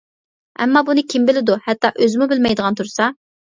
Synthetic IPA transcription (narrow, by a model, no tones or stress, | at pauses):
ɛ̰mːɑbunɨkʲʰimbɪlɪd̪uhɛt̪ːɑʔøzmubɪlmɛjd̪əʁɑnt̪ʰuɾsɑ